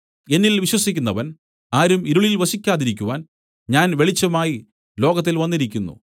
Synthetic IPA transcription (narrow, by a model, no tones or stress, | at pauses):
e̞nːilʋiɕwɐsikʲːunːɐʋɐn | aːɾumiɾuɭilʋɐɕikʲːaːðiɾikʲːuʋaːn | ɲaːnʋe̞ɭit͡ɕːɐmaːji | lo̞ːɡɐt̪ːilʋɐnːiɾikʲːunːṵ